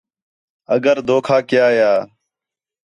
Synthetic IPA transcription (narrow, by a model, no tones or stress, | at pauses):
əɡəɾd̪oːkʰaːkɪjaːjaː